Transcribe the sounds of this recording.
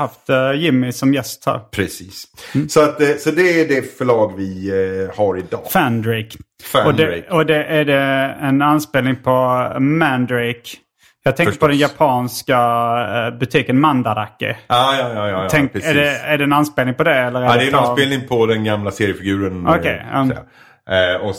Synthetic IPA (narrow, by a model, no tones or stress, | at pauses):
haft̪jɪmːɪsɔmjɛst̪hæ̰ːɾpʰɾɛsiːsːsɔat̪sɔd̪ɛɖɛfœɭɑːɡvɪhaɾɪd̪ɑ̰ːfænd̪ɾɪkfɔd̪ɛɔd̪ɛʔæɖɛɛnanspeːlnɪŋpʰɔmænd̪ɾɪk | jɑːɡ̚t̪ɛŋkəɾppɔd̪ɛnjapʰɑːnska | bɵt̪ʰiːkənmand̪ad̪akːɪ̰ɑːjɑjɑjɑtʰɛŋkæɖɛæɖɛːnanspeːlnɪŋpʰɔd̪ɛɛlːəɾæd̪ɛjɛnanspeːlnɪŋpʰɔd̪ɛnɡamlaseːɾɪəfɪɡʉ̟ːɾənɔkʰɛja̰ | ɔ